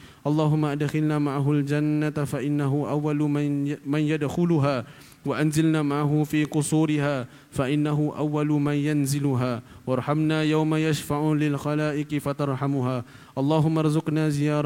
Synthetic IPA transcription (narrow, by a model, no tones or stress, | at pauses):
ʔɑlˤːɑːɦʊmːaʔad̪xɪlnaːmaʕaɦʊld͡ʒanːat̪faʔɪnːaɦʊʔawːalmanjad̪xʊlʊɦaː | waʔanzɪlnaːmaʕaɦʊfiːqʊsuːɾɪɦaː | faʔɪnːaɦʊʔa̰wːalʊmanjanzɪlʊɦaːwɑɾˤħamnaːjawmajaʃfaʕʊlɪlxɑlaːʔɪqɪfat̪ɑɾˤħamʊɦaː | ʔɑlˤːɑːɦʊmːaɾˤzʊqnaːzɪjɑːɾˤ